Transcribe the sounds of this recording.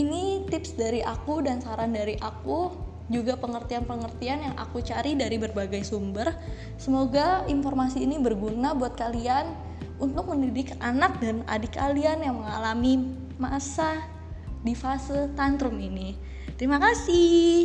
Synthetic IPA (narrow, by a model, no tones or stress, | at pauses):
init̪ɪpsdaɾiʔakudansaɾandaɾiʔaku | d͡ʒuɡapəŋərt̪ianpəŋərt̪ianjaŋʔa̰kut͡ʃaɾidaɾibərbaɡajsumbər | səmoɡainformasiːnibərɡunabuat̪̚kalian | unt̪ʊk̚məndidikanak̚dana̰dikalianjaŋməŋalami | masa | difasɪlt̪ant̪ɾʊmini | t̪əɾimakasɪ